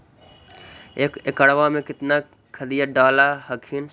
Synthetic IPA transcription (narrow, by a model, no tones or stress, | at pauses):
ekekɐɽʋamẽkɪt̪na | kʰəlijəɖaːlaɦəkʰin